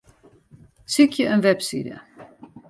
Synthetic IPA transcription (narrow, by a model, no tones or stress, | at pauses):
sikʰjəʔənʋɛpsḭːdə̰